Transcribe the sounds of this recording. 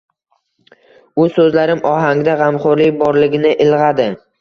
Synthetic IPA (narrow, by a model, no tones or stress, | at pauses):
ʊsɵzlaɾɪmʔɒɦaŋd̪aʁɑmχʊɾlɪk̚ʲbɒɾlɪɡʲɪnɪʔɪlʁɑd̪ɪ